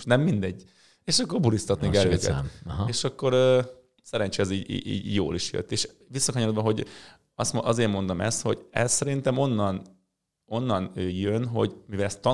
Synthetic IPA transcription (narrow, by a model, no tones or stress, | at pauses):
ʃnɛmːind̪ɛɟː | eːʃɒkːo̞rbulist̪ɒt̪nekɛløːkɛ̰ɦeːʃɒkːo̞ɾø | sɛɾɛnt͡ʃɛɛziːɟḭːḭːɟjo̰ːliʃjø̰t̪ːeːʃ | ʋisːɒkɒɲoɾod̪bɒɦo̞ɟ | ɒsmʔɒzeːrmo̞nd̪omɛ̰st̪ho̞̰ɟɛssɛɾint̪ɛmo̞nːɒn | o̞nːɒnøːjønɦo̞̰ɟmivɛlɛst̪ːɒ